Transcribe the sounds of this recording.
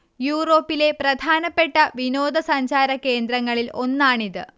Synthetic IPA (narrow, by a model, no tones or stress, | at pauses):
juːro̞ːpːile̞prɐd̪ʱaːnɐpːe̞ʈːɐʋino̞ːd̪ɐsɐɲd͡ʑaːɾɐkːe̞ːnd̪ɾɐŋːɐɭilo̞nːaːɳiðɨ